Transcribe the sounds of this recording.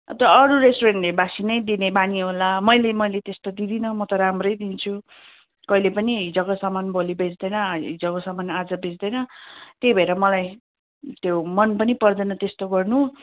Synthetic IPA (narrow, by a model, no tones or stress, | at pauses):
t̪ʌʌɾuɾesʈoɾeɳʈlebasinʌjd̪inebaniɦolamʌjlemʌjlet̪est̪od̪id̪inʌmʌt̪ʌɾamrʌjd̪int͡sʰu | kʌilepʌniɦid͡zʌkʌsamanbolibed͡zd̪ʌjnʌid͡zʌkosamanad͡zʌbed͡zd̪ʌjnʌt̪ejbʱʌeɾʌmʌlaj | t̪jomʌnpʌnipʌrd̪ʌnʌt̪est̪oɡʌrnu